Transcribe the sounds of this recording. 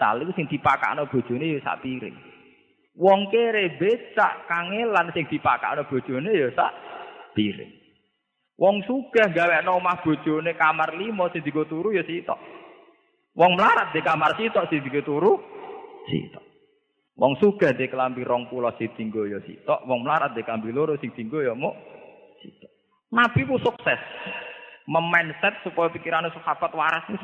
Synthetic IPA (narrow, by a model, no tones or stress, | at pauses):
t̪a̰likusɪŋd̪̥i̤paka̰ʔnɔb̥o̤d̥ʒ̥o̤nejɔsa̰ʔpiɾɪ̰ŋ | wɔŋkeɾebet͡ʃa̰ʔkaŋelansɪŋd̪̥i̤pa̰ka̰ʔnɔb̥o̤d̥ʒ̥o̤nejɔsa̰ʔpiɾɪ̰ŋ | wɔŋsuɡ̥a̤hŋɡawɛʔnɔumahb̥o̤̥ʒ̥o̤nekamarlimɔsɪŋd̪ikot̪uɾujɔsit̪ɔ̰ʔ | wɔŋmlaɾat̪̚d̪̥ekamarsit̪ɔʔsind̪iket̪uɾu | sḭt̪ɔʔ | wɔŋsuɡ̥a̤hd̪ekəlampiɾɔŋpulɔhsid̪̥i̤ŋɡojɔsḭt̪ɔ̰ʔwɔŋməlaɾa̰t̪̚d̪̥eklampiloɾʊsiŋd̪̥iŋɡojɔmoʔ | sḭt̪ɔ̥ʔ | nab̥ipusuksɛs | məmɛnsɛt̪̚supɔjɔpikiɾanesukapat̪waɾasni